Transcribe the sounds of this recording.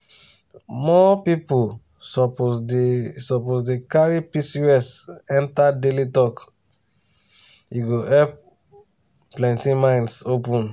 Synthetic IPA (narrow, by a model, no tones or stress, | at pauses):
mɔpipu | sɔpo | sɔposdekaɹipisiɛsɛ̃ntadelitɔk | iɡoɛp̚ | plɛ̃ntĩmãɪ̃nsopũn